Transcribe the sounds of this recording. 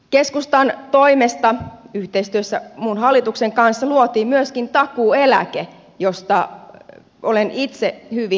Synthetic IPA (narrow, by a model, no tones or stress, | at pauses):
keskust̪ɑnt̪oimest̪ɑyht̪eist̪yøsːæmunhɑlːit̪ukseŋkɑnsːɑluot̪iːmyøskint̪ɑkuːelæ̰ke | jost̪ɑ | olenʔit̪sehyʋi